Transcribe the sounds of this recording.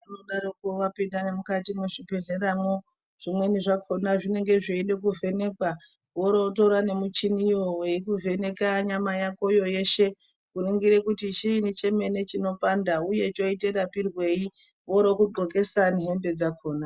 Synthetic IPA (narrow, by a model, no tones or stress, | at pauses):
anoɗaɾokuʋapindane̞mukatimuʐipe̞ɮeɾamo | ʐ̥imwe̞niʐakʰo̞naʐine̞ŋɡe̞ʐeiɗe̞kuve̞ne̞kwa | woɾo̞to̞ɾane̞mut͡ʃinijoweikuvʱe̞ne̞kaɲamajako̞jo̞je̞ʃe̞ | kuriŋɡiɾekutit͡ʃiːnit͡ʃe̞me̞ne̞t͡ʃino̞pandauje̞t͡ʃo̞ite̞ɾapirwe̞i | wo̞ɾo̞kuǃoke̞saniɦe̞mbe̞d͡zakʰo̞ːna